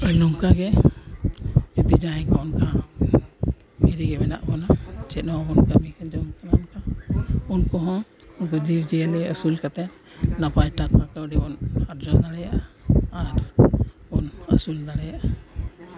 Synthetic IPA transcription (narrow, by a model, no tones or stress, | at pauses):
ɔjnɔŋkaɡɛ | ed̪id͡ʒaɦɛ̃kɔɔnka | mɛɾiɡɛmɛna̰ʔbɔnat͡ʃɛnɔbɔnkamikad͡ʒɔmkanaɔnkaunkɔɦɔ̃ | nɡɔd͡ʒiwd͡ʒɛalɛəsulkat̪ɛn | lapajʈakakawɖɛbɔnaɾd͡ʒɔd̪aɽɛjaʔaaɾ | ɔnə̰suld̪aɽɛjaʔa